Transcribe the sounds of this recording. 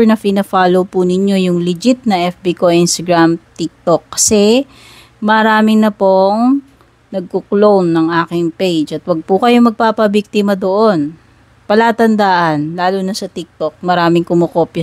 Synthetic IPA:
nɐpɪnɛfaːlowpunɪɲo̞jʊŋlɪd͡ʒɪt̪̚nɐʔɛfbikoinst̪ɐɡɹamt̪ik̚t̪okːɐ̥sɛ | mɐɾaːmɪnɐpoŋ | nɐɡ̚koklownːɐŋʔaːkɪŋpejd͡ʒʔɐt̪̚wɐɡ̚pʊkɐjo̞mɐɡ̚paːpɐbik̚t̪ɪmɐd̪o̞ʔo̞n | pɐlaːt̪ɐnd̪aːʔɐnlaːlunɐsɐt̪ik̚t̪ok̚mɐɾaːmɪŋkʊmokoːpj

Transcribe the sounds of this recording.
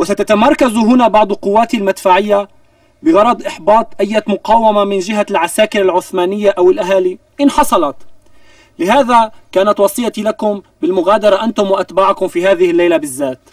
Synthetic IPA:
wasat̪at̪amɑɾˤkazuɦʊnabɑʕd̪ˤqʊwːaːt̪ilmad̪faːʕɪjːa | bɪɣɑɾˤɑd̪ˤʔɪħbɑːt̪ˤʔajːamʊqɑːwamamɪnd͡ʒɪɦalʕasaːkɪɾalʕʊθmaːnɪjːaʔawɪlʔaɦaːli | ʔɪnħɑsˤɑlɑt̪ | lɪɦaːðakaːnat̪wɑsˤɨjːat̪ilakʊmbɪlmʊɣaːd̪ɑɾˤɑʔant̪ʊmwaʔat̪baːʕʊkʊmfiːhaːðɪhɪlːajlabɪzːaːt̪

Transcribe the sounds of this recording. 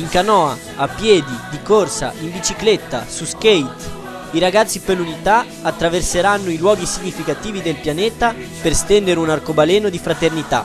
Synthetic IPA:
iŋkanɔːa | apːjɛːd̪id̪ikorsa̰ʔimbit͡ʃiklet̪ːa̰suskejt̪ | iɾaɡat̪sːipelːunit̪a | at̪ːɾaverseɾanːoilwɔːɡisiɲːifikat̪iːvid̪elpjanɛːt̪a | perst̪ɛnd̪eɾunarkobalɛːnod̪ifɾat̪ernit̪a̰

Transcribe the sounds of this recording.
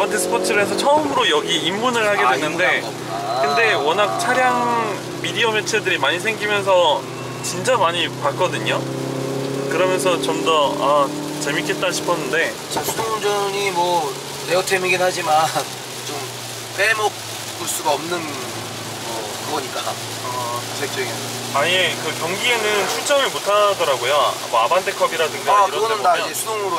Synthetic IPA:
matʰes͈ʰɯ̥pʰot͡ɕʰɯɾɭɦesʰʌt͡ɕʰʌɯmɯɾojʌɡiːmːunɯɭhaɡe̞dwenːɯnde̞ | kɯnde̞wʌnak̚t͡ɕʰaɾjaŋ | midiʌmet͡ɕʰedɯɾimaɲisʰe̞ŋɡimjʌns̬ʰʌ | t͡ɕint͡ɕ͈amaɲipak͈ʌdɯɲo | kɯɾʌmjʌns̬ʰʌt͡ɕomdʌa | t͡ɕe̞mik͈e̞t͈̚aɕʰi̥pʰʌnːɯnde̞ | t͡ɕasʰudʰond͡ʑʌɲimwʌ | ne̞otʰemiɡinɦad͡ʑiman | t͡ɕom | p͈emok̚ | k͈uɭs͈uɡaʌmnɯn | mʌ | kɯɡʌɲik͈a | ʌt͡ɕek̚t͡ɕ͈eɡ | aje̞kɯkjʌŋɡie̞nɯnt͡ɕʰuɭt͡ɕ͈ʌŋɯɭmotʰadʌɾaɡojoa̰mʌabandʰekʰʌbiɾadɯŋɡakɯɾɡʌnɯndaesʰudoŋɯɾo

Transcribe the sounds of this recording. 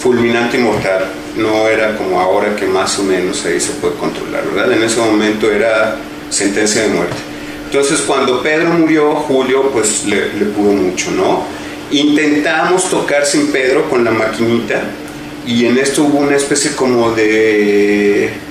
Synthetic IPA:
fulmĩnãnt̪e̞imo̞ɾt̪al | no̞eɾako̞mo̞ao̞ɾake̞maso̞mẽ̞no̞saise̞pwe̞ð̞eko̞̰nt̪ɾo̞̰la̰ɾβe̞ɾðaðe̞ne̞se̞mõ̞mẽnt̪o̞e̞ɾa | se̞nt̪e̞nsjað̞e̞mwe̞̰ɾt̪e̥ | ent̪o̞nse̞skwand̪o̞pe̞ðɾo̞muɾjo̞xuljo̞pwe̞slele̞puðo̞mut͡ʃo̞no̞ | int̪e̞nt̪amo̞st̪o̞kaɾsimpe̞ðɾo̞ko̞nlamakinit̪a | ie̞ne̞st̪ouβo̞unaespe̞sjeko̞mo̞ðe̞

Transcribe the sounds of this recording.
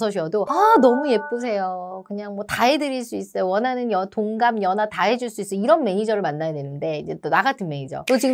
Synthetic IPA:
sʰʌɕ̬ʰʌdoanʌmuje̞p̚p͈ɯs̬ʰe̞jokɯɲaŋmwʌtaɦedɯɾiɭs͈uiss͈ʌjowʌnanɯnjʌtoŋɡamjʌnataɦed͡ʑuɭs͈uis͈ʌiɾʌnme̞ɲid͡ʑʌɾɯɭmanːajadwe̞nɯnde̞id͡ʑe̞t͈onaɡatʰɯnme̞ɲid͡ʑʌ̰tot͡ɕi

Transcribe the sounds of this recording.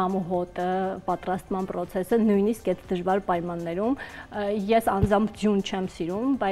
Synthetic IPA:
ɑmuɦɔt̪əpɑt̪ɾɑst̪mɑnpɾɔt͡sʰɛsənujniskɛt̪ʰd̪əʒvɑɾpɑjmɑnːɛɾumjɛsɑnd͡zɑmpʰd͡zjunt͡ʃʰɛmsiɾumbɑ

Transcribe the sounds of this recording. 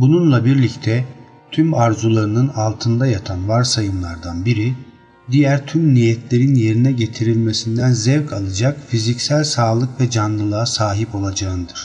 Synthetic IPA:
bununlˠabiɾlʲict̪ʰɛ | t̪ʰymaɾzulˠaɾɯnɯnalˠt̪ʰɯnd̪ajat̪ʰanvaɾsajɯmlˠaɾd̪anbiɾi | d̪ijæɾt̪ʰymnijɛt̪ʰlʲe̞ɾinje̞ɾinɛɟe̞t̪ʰiɾilʲmesind̪ænzɛvkʰalˠad͡ʒakfizicsælʲsaːlˠɯkvɛd͡ʒanlˠɯlˠaːsaːɦipo̞lˠad͡ʒaɯnɯd̪ɯɾ̥

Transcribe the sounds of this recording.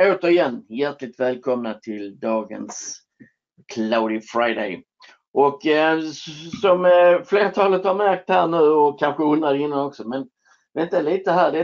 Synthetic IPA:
oːt̪əɾɪjɛnːjæʈlɪɡ̚t̪vɛːlkʰɔmnat̪ʰɪld̪ɑːɡə̰ns | kʰlaʊd̪ɪfɾaɪd̪ḛɪ | ʔɔk | sɔmfleːɾat̪ʰɑːlət̪haɾmæɾk̚t̪hæːɳʉ̟ːɔkʰanɧəɵnd̪ɾad̪ɛɪnːanɔksɔmɛn | vɛnt̪aliːt̪əɦæːɖɛ

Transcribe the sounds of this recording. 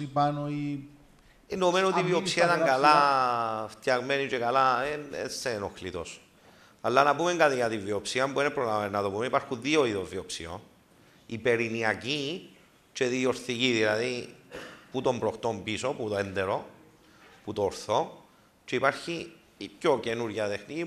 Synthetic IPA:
ipanoi | enome̞noot̪iviopsiɐt̪aŋɡala | ft̪jɐɣmenit͡ʃekalaenḛsenoxlit̪o̞s | alːanɐpume̞ŋɡat̪ijat̪iɱvːiopsiɐmbuinepɾolamenat̪opumeipaɾxunðioiðozːiopsḭo̰n | ipe̞ɾiniɐci | t͡ʃe̞ðioɾθiciðilaði | put̪o̞mbɾo̞xt̪ombisoput̪oend̪eɾo̞ | put̪oːɾθo̞ | t͡ʃeipaɾçi | pçoce̞nuɾʝɐt̪exnici

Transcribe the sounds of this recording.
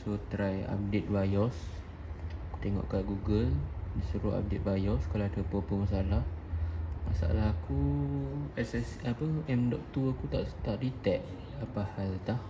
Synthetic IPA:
sot̪ɾaja̰p̚det̪̚vajɔs | t̪eŋɔ̰ʔkaʔɡuɡəldisəɾua̰p̚det̪̚bajɔskalaat̪əpopəmasalah | ma̰sa̰ʔa̰laɦaku | ɛsɛsapəɛmdɔʔ̚t̪uakut̪aʔt̪aʔdit̪ɛʔ | apahalt̪ah

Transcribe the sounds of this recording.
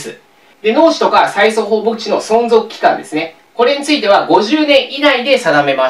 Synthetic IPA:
sɨ̰ | d̪e̞no̞ːɕi̥t̪o̞kasaiso̞ɦo̞ːbot͡ɕino̞sõ̞nzo̞kɯ̟kʲi̥kã̰nd̪e̞sɨne̞ | ko̞ɾe̞ɲ̟it͡sɨit̪e̞β̞aɡo̞ʑɨːnẽ̞ɰ̃ʔid̪aid̪e̞sad̪ame̞ma

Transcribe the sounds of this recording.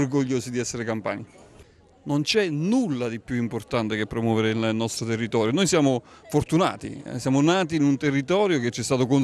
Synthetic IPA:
rɡoʎːoːsid̪iɛsːeɾekampa̰ːɲi | nont͡ʃɛnulːad̪ipːjuimport̪ant̪ekepːɾomwɔːveɾeilnɔst̪ɾot̪erːit̪ɔːɾjonoːjsjaːmofort̪una̰ːt̪ḭsjaːmonaːt̪iːnunt̪erːit̪ɔːɾjoket͡ʃːɛst̪aːt̪okon

